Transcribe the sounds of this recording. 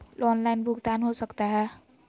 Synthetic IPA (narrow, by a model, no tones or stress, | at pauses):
lɔnlajnbʱuɡt̪anɦosəkt̪aɦə